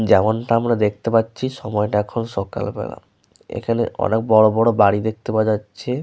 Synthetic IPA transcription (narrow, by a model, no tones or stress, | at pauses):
d͡ʑɛmonʈaamɾad̪ek̚ʰt̪epatːɕʰiʃɔmɔeʈaɛkʰonʃɔka̰lbɛ̰la̰ | ḛkʰanḛɔ̰nek̚bɔɽobɔɽobaɽid̪ek̚t̪epad͡ʑatːɕʰe